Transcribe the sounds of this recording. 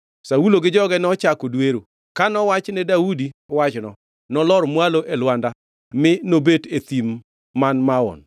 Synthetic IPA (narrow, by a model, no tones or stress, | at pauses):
sawuloɡɪd͡ʒɔɡɛnɔt͡ʃakodweɾo | kanɔwat͡ʃnɛdawudiwat͡ʃnɔ̰ | nɔlɔɾmwaloʔelwanda | mɪnobetet̪imː | anmaɔ̰n